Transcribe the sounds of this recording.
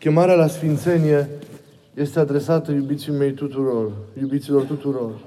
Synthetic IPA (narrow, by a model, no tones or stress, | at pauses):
kʲe̞maɾealasfint̪se̞nije̞ | je̞st̪e̞ad̪ɾe̞sat̪əjubit̪sime̞jt̪ut̪uɾorjubit̪silo̞rt̪ut̪uɾo̞r